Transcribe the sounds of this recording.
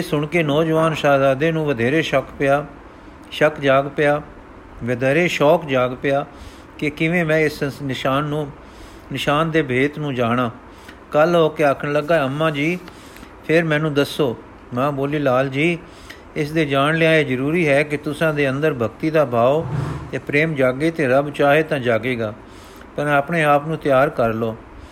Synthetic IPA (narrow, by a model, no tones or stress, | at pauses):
sʊɳkeːnɔːd͡ʒʋaːnʃaːd̪aːd̪ẽːnũːʋəd̪ʱeːɾeːʃəkpɪjaː | ʃəkd͡ʒaːɡpɪjaː | ʋəd̪ʱɛːɾeːʃɔːkd͡ʒaːɡpɪjaː | kɪkɪʋẽːmɛ̃ːɪsnɪʃaːnːũː | nɪʃaːnd̪eːbʱeːt̪nũːd͡ʒaːɽ̃ãː | kəlɦoːkeːaːkʰəɳləɡːaːəmːãːd͡ʒiː | pʰɪɾmɛ̃ːnũːd̪əsːoː | mãːboːliːlaːld͡ʒiː | ɪs̬d̪eːd͡ʒaːnlɪjãːeːzəɾuːɾiːɦɛːkɪt̪ʊsãːd̪eːənd̪əɾbʱəkt̪iːd̪aːbʱaːot̪eːpɾeːmd͡ʒaːɡeːt̪eːɾəbt͡ʃaːɦeːt̪ãːd͡ʒaːɡeːɡaː | pəɾmɛ̃ːəpɳeːaːpnũːt̪jaːɾkəɾloː